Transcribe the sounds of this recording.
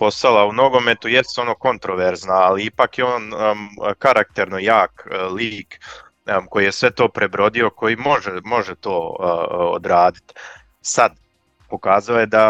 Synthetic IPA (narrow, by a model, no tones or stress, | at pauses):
po̞st̪alauno̞ɡo̞me̞t̪ujest̪o̞noko̞nt̪ɾoʋeɾznaːliipakjeoːn | kaɾak̚t̪e̞ɾnojaːkliːk | ko̞jije̞sʋe̞t̪o̞ːpɾe̞bɾo̞d̪io̞ko̞jimo̞ʒemo̞ʒet̪o̞ːo̰d̪ɾaːd̪it̪ | sad̪ | po̞kaːzaojed̪a